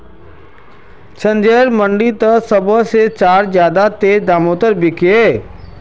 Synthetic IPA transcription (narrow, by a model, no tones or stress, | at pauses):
t͡ʃʰə̃nd͡ʒeːɾmə̃ɳɖit̪əsəbəset͡ʃaːɾzjaːd̪at̪eːd̪aːmoːt̪əɾbɪkeː